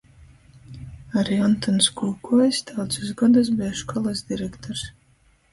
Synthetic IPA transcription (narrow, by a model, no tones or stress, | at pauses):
aɾiɔnt̪ɔnskuːkuɔjst̪ʰawt̪suzɡɔd̪as̬biaʃkʰɔlˠasd̪iɾɛkt̪ɔɾs